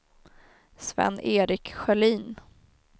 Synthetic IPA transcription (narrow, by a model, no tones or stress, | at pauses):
svɛ̰nːeːɾɪkɧɛliːn